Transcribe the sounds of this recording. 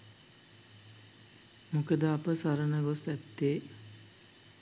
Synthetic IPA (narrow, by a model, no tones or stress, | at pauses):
mukəd̪əapəsaɾənəɡosɛt̪ːeː